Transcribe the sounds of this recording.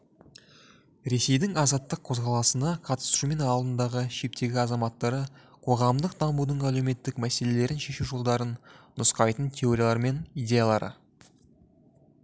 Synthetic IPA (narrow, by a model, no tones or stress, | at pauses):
ɾe̞se̞jd̪ɪŋɑzɑt̪ːəqʰo̞zʁɑlˠɑsənɑqʰɑt̪ə̥sʃume̞nɑlˠd̪ənd̪ɑʁəʃe̞p̚t̪e̞ɡʲɪɑzɑmɑt̪ːɑɾə | qʰo̞ʁɑmd̪əq̚d̪ɑmbud̪əɴæleme̞t̪ːɪkmæse̞le̞le̞ɾɪnʃe̞ʃuʒolˠd̪ɑɾənːʊsqɑjt̪ənt̪ʲʰe̞oɾʲjalˠɑɾme̞nijdʲe̞jalˠɑɾə̰